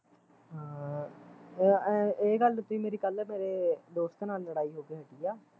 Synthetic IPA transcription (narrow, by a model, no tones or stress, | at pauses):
ɦãː | eːɡəlt̪uiːmeːɾiːkəlɛːmeːɾeːd̪oːst̪naːlːəɽaːiːɦoːkeːɦəʈiːjaː